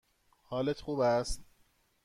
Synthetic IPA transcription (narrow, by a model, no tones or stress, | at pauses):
hɒːlet̪ʰxuːbæst̪